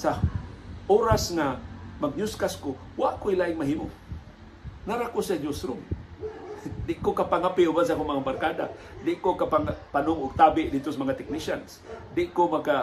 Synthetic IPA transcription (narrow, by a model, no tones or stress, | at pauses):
sa | ʔoːɾasŋamaɡ̚ɲʊskaskowaʔkʊilaːʔɪŋmaɦiːmo | naɾakʊsad͡ʒʊsɾʊm | d̪ɪʔkokapaŋapɪʔʊbans̬akoŋmaŋabarkaːd̪a̰ | d̪ɪʔkokapaŋpanʊŋʊɡ̚t̪aːbɪʔd̪ɪd̪t̪osamaŋat̪ɪk̚nɪʃansd̪ɪʔkomaɡ̚ka